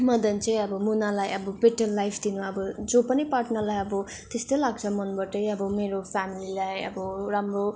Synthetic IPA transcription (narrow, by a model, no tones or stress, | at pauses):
mʌd̪ʌnt͡sʌj̃ʌbʌmunalajʌbʌpeʈʌnlajpʰd̪inuʌbʌd͡zopʌnipaʈnʌlajʌbʌ | t̪est̪ʌlaɡ̚t͡sʰʌmʌnbʌʈʌjʌbʌmeɾopʰamililajʌ̰bʌɾamro